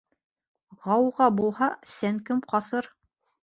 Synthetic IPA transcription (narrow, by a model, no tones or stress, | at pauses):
ʁɑwʁɑbulˠhɑsæŋkɘmqɑsɤɾ